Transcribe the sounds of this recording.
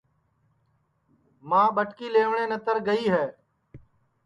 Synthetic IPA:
mãːɓəʈkiːleːʋɳẽːnət̪əɾɡəiːɦɛː

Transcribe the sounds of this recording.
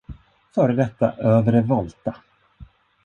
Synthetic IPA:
fœːɾəd̪ɛt̪ːa̰ʔøːvɾɛvɔlt̪a

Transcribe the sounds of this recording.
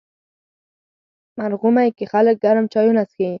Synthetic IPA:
maɾɣumajkexalək̚ɡaɾəmt͡ʃɑjunaski

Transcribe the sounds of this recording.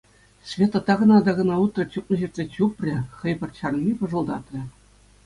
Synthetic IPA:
ɕvʲet̪ːɤ̆t̪ːɑɡɤ̆nɑd̪ɑɡɤ̆nɑut̪rɤ̆t͡ɕup̚nɤ̆ʑirt̪ʲzʲet͡ɕupʲrʲɘ̆χɤ̆jpʲɤ̆rɕɑrnmʲipɤ̆ʐɤ̆lˠd̪ɑt̪rʲɘ̆

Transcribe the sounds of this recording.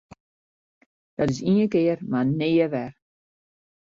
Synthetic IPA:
d̥ɔtɪsiəkɪːərmanɪːəʋɛr

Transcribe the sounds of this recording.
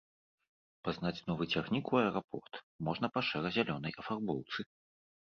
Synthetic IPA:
paznat͡sʲnɔvɨt͡sʲɛxnʲikuɐjɾapɔ̰rt̪ | mɔʐnɐpɐʂɛɾɐzʲalʲɔnɐjʔɐfarbɔlwˠt̪sɨ

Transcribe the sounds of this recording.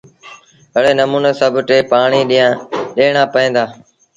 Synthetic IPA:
ɦəɽeːnəmuːneːsəbʱʈeːpaːɳiːɗiːãːɗeːɳ̃aːpəẽːd̪aː

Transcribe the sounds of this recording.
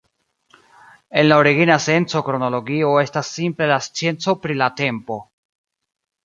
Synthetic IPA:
e̞nlaoɾiɡinase̞nt͡so̞kɾo̞no̞lo̞ɡio̞e̞stasːimple̞last͡sje̞nt͡so̞pɾilate̞mpo̞

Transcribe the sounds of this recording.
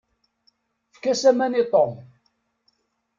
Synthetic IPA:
fkæsæmænit̪ˤom

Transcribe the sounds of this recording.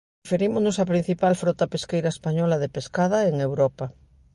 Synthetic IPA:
feɾimoznosapɾin̟θipalfɾɔt̪apeskejɾaespaɲɔlaðepeskaðɐeŋewɾɔpa

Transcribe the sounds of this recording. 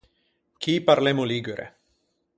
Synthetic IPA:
kʰipaɾleːmʊliːɡuɾʔḛ

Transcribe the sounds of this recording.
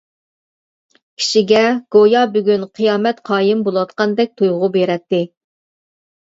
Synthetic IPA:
kʲʰi̥ʃiɡʲɛɡ̥ojɑbyɡʲynqʰɨjɑːmɛt̪qʰɑːjɪmbolˠwɑt̪qɑnd̪ɛk̚ʲt̪ʰujʁʊbeɾɛt̪ːɪ

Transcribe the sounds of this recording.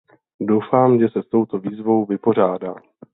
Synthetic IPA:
do̞wfaːmʒɛsɛst̪o̞wt̪o̞viːzvo̞wvɪpo̞r̝aːda̰ː

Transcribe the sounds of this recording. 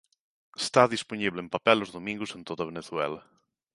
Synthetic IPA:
est̪aðisponiβlempapɛlozðomĩŋɡosẽnt̪oðaβeneθwɛlɐ

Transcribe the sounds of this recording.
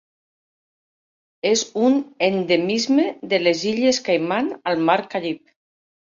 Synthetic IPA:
ezunend̪emizmeðeleziʎeskajmanalmaɾkaʎip̚

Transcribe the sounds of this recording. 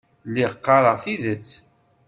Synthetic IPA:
lːiʁəqːɑɾˤəʁθiðət͡sː

